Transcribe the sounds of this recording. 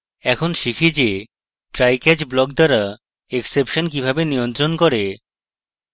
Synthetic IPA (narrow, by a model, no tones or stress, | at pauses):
ɛkʰonʃikʰid͡ʑe | ʈɾajkɛd͡ʑblɔk̚d̪aɾa | eksepʃonkibʱabenijont̪ɾonkɔɾe